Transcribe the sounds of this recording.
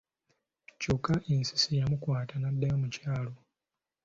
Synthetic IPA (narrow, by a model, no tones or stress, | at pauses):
cukaʔinsi̥sijamukwaːtanadːajo̞mucaːlo̞